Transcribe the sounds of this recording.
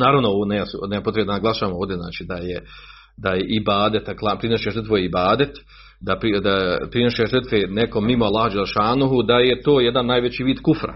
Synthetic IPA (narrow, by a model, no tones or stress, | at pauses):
naːɾaʋnooonejasunejapot̪ɾend̪anaɡlˠaʃaʋamoːʋd̪je̞zna̰ːt͡ʃiːd̪aje | d̪ajeʔibaːd̪et̪aklˠapɾinoʃeʐər̩t̪ʋojibaːd̪et̪ | d̪apɾid̪apɾino̞ʃeʐər̩t̪ʋeneko̞mːimoalːahd͡ʒeleʃaːnuɦud̪ajet̪oːjed̪anːajʋet͡ɕiːʋiːd̪kufɾa̰